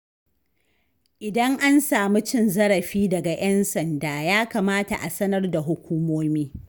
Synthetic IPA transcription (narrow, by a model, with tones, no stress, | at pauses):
ʔɪ˨dɐ˦ŋʔa˦nsaː˨mu˦t͡ʃɪ˦nzɐ˦ɽɐ˨ɸiː˦dɐ˨ɡa˨j̰ʔɐ˦nsɐ˨ndaː˨jaː˦ka˨maː˦ta̰˨ʔa˨sɐ˦nɐ˦rda˨ɦʊ˦kʷuː˦moː˦miː˦